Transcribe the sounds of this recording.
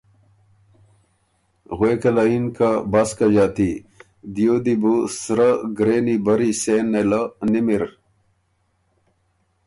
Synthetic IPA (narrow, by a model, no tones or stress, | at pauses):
ɣweːkɐlainkabaskaʑaːt̪i | d̪ijod̪ibusɾaɡɾeːnibɐɾiseːnːelanimiɾ